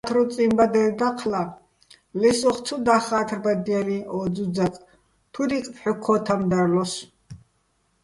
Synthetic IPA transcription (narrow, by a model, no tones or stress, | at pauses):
t̪ʰɾɔt͡sʼimbad̪ɛd̪aqʰla | lɛsɔχt̪sʰud̪aχaːt̪ʰrbad̪ialiʔɔd͡zud͡zakʼ | t̪ʰuɾikʼpħɔkʰːɔːt̪ʰamd̪aɾlɔs